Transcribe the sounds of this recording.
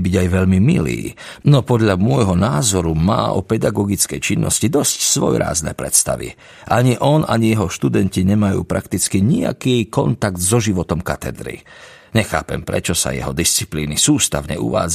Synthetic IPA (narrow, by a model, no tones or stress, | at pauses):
biɟajʋɛʎmimilḭːnɔpɔd̪ʎamʊɔjɦɔnaːzɔɾumaːɔpɛd̪aɡɔɡit͡skɛjt͡ʃinːʔɔ̰scid̪ɔscsʋɔ̰jɾa̰ːznɛ̰pɾɛ̰t̪st̪a̰ʋḭ | ʔaɲiʔɔnaɲijɛɦɔʃt̪ud̪ɛnciɲɛmajṵːpɾʔakt̪it͡skiɲia̰kikɔnt̪aɡd̪zɔʒiʋɔt̪ɔmkat̪ɛ̰d̪ɾḭ | ɲɛxaːpɛ̰mpɾɛ̰t͡ʃɔsa̰jɛ̰ɦɔd̪ist͡si̥pliːnisuːst̪a̰ʊɲɛ̰ʔṵʋaːd͡z